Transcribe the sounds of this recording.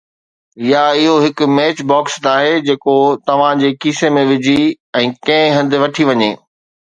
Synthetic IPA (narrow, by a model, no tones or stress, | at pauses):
ɪjaɪɦoɦɪkʊ̆meːt͡ɕbɔːksnaːɦed͡ʑeːkot̪ɐʋ̤ãd͡ʑeːkiːsemẽʋɪd͡ʑʱi | ɛ̃ːkɐ̃ɪ̃ɦɐ̃nd̪ɪʋɐʈʰiʋɐɲeː